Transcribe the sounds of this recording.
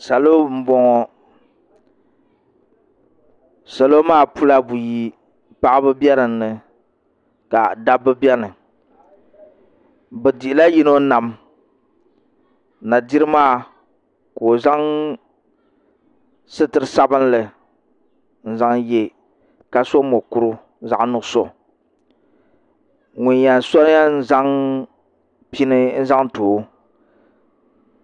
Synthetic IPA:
sa˨lo˦m̩˦bɔ˨ŋɔ˨ | sa˨lo˦maː˦˨pu˦la˦bu˨ji˨ | pa˦ʔɨ˦bɨ˦bʲɛ˦ɾɨ˨n̩ːɨ˨ | ka˨da˦bɨ˦bɛ˦nɨ˨ | bɛ˨di˨ɪ˨la˦ji˦no˦na˨m | na˨di˦ɾɨ˦maː˦˨ | koː˨za˦ŋ | sɨ˦tɨ˨ɾɨ˨sa˦bɨ˦n˦lɨ˨ | n̩˦za˦ŋje˦ | ka˨so˦mo˨ku˨ɾʊ˦ | za˨ʔnʊ˨ʔso̰˨ | ŋʊ˨ɲ˦ja˨n˨sɔ˦ɾja˦n̩˦za˦ŋ | pi˦nɨ˦n̩˦za˦ŋtoː˨˦

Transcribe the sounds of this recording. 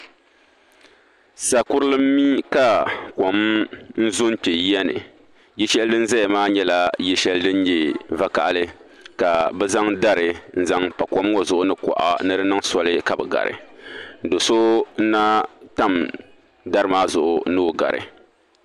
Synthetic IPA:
sa˨kʊ˦ɾlɨ˦mː˦i˦ka˨kɔ˨mn̩˦zʊ˦n˦k͡pe˨˦ɛ˦nɨ̰˨ | jɛ˦ʃɛ˦ldɨ˦n̩˦za˦ja˨maː˦ɲɛ˦la˦jɛ˦ʃɛ˦ldɨ˦n˦jɛ˨va˦ka̰˨ʔa˨lɨ˦ | ka˨bɛ˦za˦ŋda˦ɾɨ˨n̩˦za˦ŋpa˨kɔ˦m˦ŋo˦zʊ˨ʔʊ˦nɨ˨kɔ̰˨ʔa̰˨nɨ˦ɾɨ˦nɨ˦ŋsɔ˨lɨ˦ka˨bɨ˨ɡa̰˨ɾɨ̰˨do˨so˦n̩˦na˦ta˦m | da˦ɾɨ˦maː˦zʊ˨ʔʊ˨nɨ˦˨ɡa̰˨ɾɨ̰˨

